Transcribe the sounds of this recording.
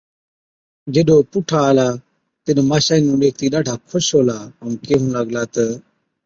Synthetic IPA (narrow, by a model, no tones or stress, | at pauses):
d͡ʒeɗoːpʊʈʰaːəlaː | t̪ɪnmaːʃaːiːnũːɗeːk̚ʰt̪iːɗaːʈʰaːkʰʊʃɦoːlaːəũnkeːɦũːləɡlaːt̪ə